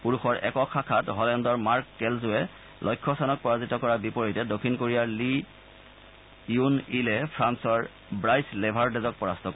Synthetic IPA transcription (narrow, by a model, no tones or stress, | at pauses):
puɹuxɔɹʔɛ̰kɔkʰakʰatɦɔlɛndɔɹmaɹkkɛlzʊɛ | lʔɔjkʰːɔsanɔk̚pɔɹazitɔkɔɹabipɔɹɔjtɛdokʰːinkoɹijali | junilɛpʰɹansɔɹ | bɹajslɛbʱaɹdɛzɔk̚pɔɹastʰɔkɔ